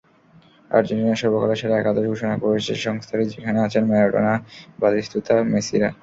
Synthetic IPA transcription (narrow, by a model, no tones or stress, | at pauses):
a̰ɾd͡ʑenʈinaʃɔɾbokaleʃʰeɾaɛkad̪oʃɡʱoʃonakoɾet͡ɕʰḛʃɔŋst̪ʰaɾid͡ʑekʰaneat͡ɕʰenmɛoʈo̰nabad̪ist̪ut̪amesiɾa̰